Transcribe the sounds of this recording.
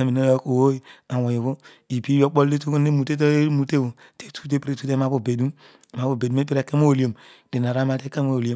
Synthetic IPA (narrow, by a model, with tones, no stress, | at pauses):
a˨mi˨no˦jo˦ko˨wo˦i˦a˨wo˨jo˨βo˦ | i˨bi˦jo˦k͡po˦lde˦tu˦kne˦mu˨te˦t̬o˦e˦mu˨te˦o˨ | te˦tu̥˦t̬e˦pɾe˦tu˦te˦m˦a˦bo˨be˨du˦m˨ | ma˦bo˨be˨du˦m˦e˦pi˦ɾe˨ke˦mo˦o˨li˦o˨m | de˨n˨a˨ɾa˦ma˨˦te˦ke˦mo˦˨lo˦